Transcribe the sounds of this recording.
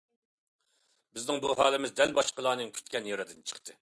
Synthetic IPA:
bɪznɪŋbuɦɑːlˠɪmɪzd̪ɛlbɑʃqəlˠɑːnɨŋkʲʰy̥t̪kʲɛnjoɾɨd̪ɨnt͡ʃʰə̥χt̪ʰɨ

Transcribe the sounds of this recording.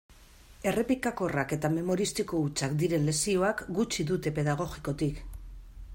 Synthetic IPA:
e̞re̞pikako̞rake̞t̪ame̞mo̞ɾist̪iko̞ut͡sakd̪iɾe̞nle̞sio̞akɡut͡ʃiðut̪e̞pe̞ðaɣ̞o̞ɣiko̞t̪ik

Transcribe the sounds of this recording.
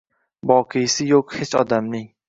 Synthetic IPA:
vɒqʰɨjsɪjoqhet͡ʃɒ̰d̪amnɪŋ

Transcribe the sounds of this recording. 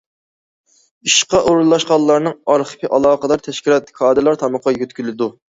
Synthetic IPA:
iʃqɑʔuɾulˠɑʃqɑlˠːɑɾnɨŋɑɾχə̥pʰiʔɑlˠɑːqəd̪ɑɾt̪ʰɛʃkʲilˠɑt̪̚kʰɑːd̪ɨlˠɑɾt̪ʰɑmɑqːɑjøt̪kʲylɪd̪u

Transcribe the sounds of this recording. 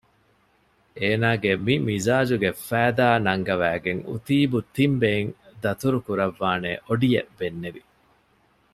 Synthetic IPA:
eːnaːɡemimizaːd͡ʒuɡefæːd̪aːnɐŋɡɐʋæːɡeŋṵt̪iːbut̪imbeŋd̪ɐt̪uɾukuɾɐʋːaːneːʔoɖijebenːeʋi

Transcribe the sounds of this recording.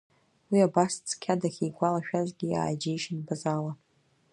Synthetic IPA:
wiabast͡sʰʼkʲʰadaχʲijɡʷalaʃᶣazɡʲija̰ːjd͡ʒejʃɪnbazala

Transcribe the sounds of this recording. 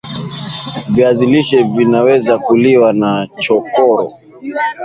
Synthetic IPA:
viaziliʃɛvinawɛzakuliwanat͡ʃɔkɔɾɔ̰

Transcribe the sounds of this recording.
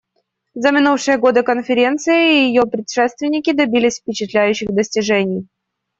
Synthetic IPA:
zəmʲɪnufʂɨjəɡo̞d̪əkənfʲɪɾʲe̞nt̪sɨjɪjɪjopɾʲɪtʂɛst̪vʲɪnʲːɪkʲɪd̪ɐbʲilʲɪsʲfpʲɪt͡ɕɪt̪lʲæjʉɕːɪxd̪əsʲtʲɪʐɛnʲɪj

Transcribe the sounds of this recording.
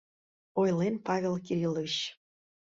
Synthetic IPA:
ojlenpɑvʲelˠkiɾʲilˠəɕ

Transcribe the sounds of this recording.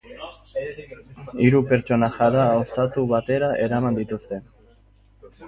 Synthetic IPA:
iɾupe̞ɾt͡ʃo̞naxaðaost̪at̪uβat̪e̞ɾaʔeɾamand̪it̪ust̪e̞

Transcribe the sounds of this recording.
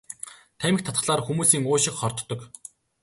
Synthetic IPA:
t̪ʰæmʲɪ̆k̚t̪ʰḁt̪ə̥̆ɮaːrxumuːsiːŋoːʃɪ̆kχɔrt̪ːɞ̆k

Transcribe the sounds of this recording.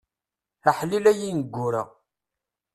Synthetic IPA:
aħlilæjinəɡʷːʊɾa̰

